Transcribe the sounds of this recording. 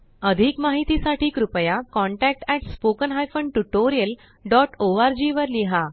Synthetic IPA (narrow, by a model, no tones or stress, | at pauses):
əd̪ʱikmaɦit̪isaʈʰiːkɾupjakɔ̃ɳʈæk̚ʈɛʈspokənɦajfəɳɖʈuʈoɾijəl | ɖɔʈoaɾd͡ʑiʋəɾliɦa